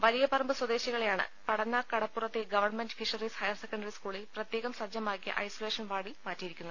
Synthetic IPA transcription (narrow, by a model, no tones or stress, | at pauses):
ʋɐlijɐpɐrɐmbɨswɐd̪e̞ːɕɐɣɐɭejaːɳɨ̰pɐɽɐnːɐkɐɽɐpːurɐt̪ːeɡɐʋɐrɳmendɨfiʂɐrishɐjɐrsekːɐɳɖɐriskuːɭilprɐt̪jeːɣɐmsɐd͡ʑjɐmaːkːijɐ̰ʔɐ̰jsoleːʂɐnʋaːɽilmaːtːijiɾikʲːunːɐ